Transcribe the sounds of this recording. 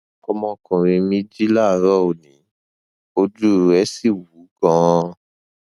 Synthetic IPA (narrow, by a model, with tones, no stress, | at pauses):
ɔ˧mɔ̃˧kũ˨ɾ̃ĩ˧mĩ˦d͡ʒi˦la˦˨ɾɔ˦o˨nĩ˨˦ | o˧d͡ʒu˦˨ɾɛ˦si˦˨wu˨˦ɡã˦˧